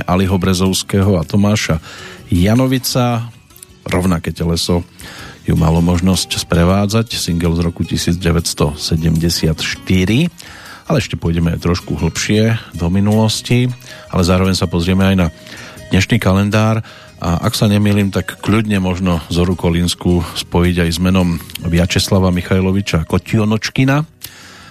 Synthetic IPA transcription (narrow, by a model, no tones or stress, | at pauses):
ʔaliɦɔbɾɛzɔʊskɛɦɔat̪ɔmaːʃajanɔʋit͡sa | ɾɔʊnakɛːcɛlɛsɔjṵma̰lɔmɔʒnɔscspɾɛʋaːd͡zacsiŋɡɛlzɾɔkucisiːd͡zɟɛʋɛst̪ɔsɛɟɛmɟɛsɪat̪ʃt̪iɾi | alɛɛʃcɛpʊɔjɟɛmɛajt̪ɾɔʃkuɦl̩pʃɪɛd̪ɔminulɔscia̰lɛzaːɾɔʋɛɲsapɔzɾɪɛmɛajna | d̪̥ɲɛʃniːkalɛnd̪aːɾ | ʔaʔa̰ksaɲɛmiːliːmt̪akːʎud̪ɲɛmɔʒnɔzɔɾukɔlinskuspɔjiɟajzmɛnɔmʋɪat͡ʃɛslaʋamixajlɔʋit͡ʃakɔciɔnɔt͡ʃkina